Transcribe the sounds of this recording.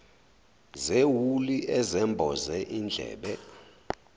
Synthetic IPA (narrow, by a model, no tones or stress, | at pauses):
zewuliʔɛzɛmbʱɔzɛʔind͡ɮʱɛ̰ːɓɛ